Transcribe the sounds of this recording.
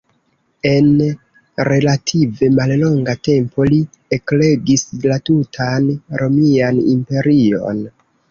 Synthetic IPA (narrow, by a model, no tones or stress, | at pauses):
e̞n | ɾe̞latʰive̞mallo̞ŋɡate̞mpo̞li | ekle̞ɡislatutʰanɾo̞mianḭmpe̞ɾio̞̰n